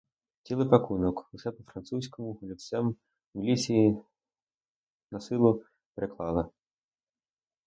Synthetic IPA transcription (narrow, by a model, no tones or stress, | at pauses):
t͡sʲilˠɪpakunɔkuʂɛpɔfɾant̪susʲkɔmʊlʲit̪sɛm | wlʲisʲi | nɐsɪlˠʊ | pɾɪklˠɑlˠɐ